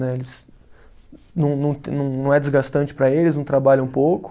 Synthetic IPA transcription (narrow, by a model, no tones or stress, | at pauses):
nɛelɪs | nɐ̃w̃nɐ̃w̃t̪nɐ̃w̃nɐ̃w̃ɛd͡ʒɪzɡast̪ɐ̃nt͡ʃɪ̥pɾɐelɪznɐ̃w̃t̪ɾabaʎɐ̃ũpowkʊ̥